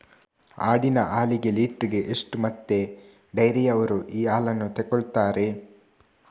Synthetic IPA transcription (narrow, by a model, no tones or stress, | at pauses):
a̰ːɽinɐʔaːliɡe̞liːʈɾiɡe̞ʔeʂʈumɐt̪ːe̞ | ɖɐjɾɛjɐʋɐɾuʔiːaːlɐnːut̪ɛkoɭt̪aːɾe̞